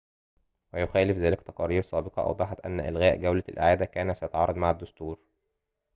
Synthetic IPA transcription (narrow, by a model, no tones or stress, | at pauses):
wæjoxæːlɪfzæːlekt̪ɑqɑːɾiːɾsˤɑːbeqɑʔɑ̰wd̪ˤɑħɑt̪ʔæ̰nːʔḛlɣæːʔɡæwlælʔaʕaːd̪ækæːnæsæjæt̪ɑʕɑːɾˤɑd̪ˤmaʕad̪ːost̪uːɾ